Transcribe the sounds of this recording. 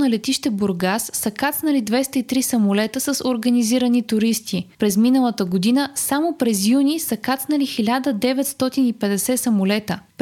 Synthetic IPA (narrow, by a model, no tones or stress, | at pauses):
nɐlɛt̪iʃt̪ɛbʊɾɡasːɐkat̪snəlid̪vɛst̪əit̪ɾisɐmʊlɛt̪əsəsoɾɡəniziɾənit̪ʊɾist̪ipɾɛzminəlˠət̪əɡod̪inəsamopɾɛzjunʲisɐkat̪snəlixilʲad̪əd̪ɛvɛt̪st̪ɔt̪inipɛd̪ɛsɛsɐmʊlɛt̪əp